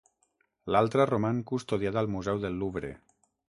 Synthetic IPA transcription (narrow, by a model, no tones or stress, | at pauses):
lalˠt̪ɾaromaŋkust̪oðiaðalˠmuzɛwðelːuβɾḛ